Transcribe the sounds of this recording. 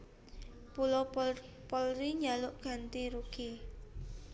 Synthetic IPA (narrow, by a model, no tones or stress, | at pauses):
pulɔ | pɔlɾiɲalʊʔɡ̥a̤nt̪iɾuɡ̥i